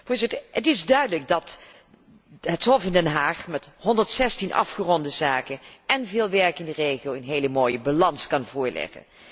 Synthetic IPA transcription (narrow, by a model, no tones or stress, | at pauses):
v̥ʊːɹzɪtəɹətɪzdœɥdələɡ̚dɑt | ɦətɦɔfɪndɛnɦaːχmɛthɔndəɹtsɛstinʔɑ̰fχərɔndəzaːkənɛnvɪːlˠʋɛɹkɪndərejχijowɪnɦejləmoːjəbalɑnskɑnvʊːɹlɛ̰χə̰n